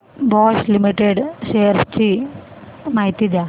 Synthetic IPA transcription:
bɔslimiʈeɽseɾst͡ɕi | maːɦit̪id̪ja

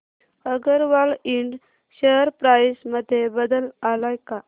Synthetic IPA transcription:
əɡəɾʋaliɳɖ | ɕəɦɾpɾaisməd̪ʱːjebəd̪əlalajka

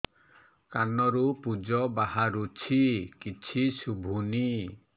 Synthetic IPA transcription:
kanɔɾupud͡ʒɔbaɦaɾut͡ʃʰikit͡ʃʰisubʱuni

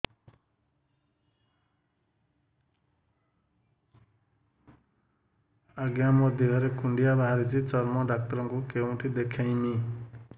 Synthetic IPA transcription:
aɡjamɔd̪ʱjiɦʌɾekuɳɖijabaɦaɾid͡ʒit͡sɔɾmɔɖak̚t̪ɔɾɔŋkukew̃ʈʰid̪ekʰajni

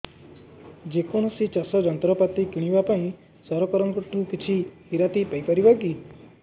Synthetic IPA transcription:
d͡ʒekɔɽ̃ɔsit͡ʃɔsɔd͡ʒɔnt̪ɾɔpat̪ikiɽ̃ibapaĩ | sɔɾɔkɔɾɔŋkɔʈũkit͡ʃʰihiɾat̪ipajpɔɾibaɡi

